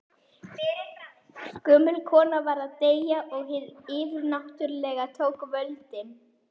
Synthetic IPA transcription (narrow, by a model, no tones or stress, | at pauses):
kʏmːʏlkʰɔːnavaɾaðt̪eːjaʔɔɣɦɪðɪːvɪɾnaht̪ʏɾlɛːɣat̪ʰoːwkvœɥlt̪ɪn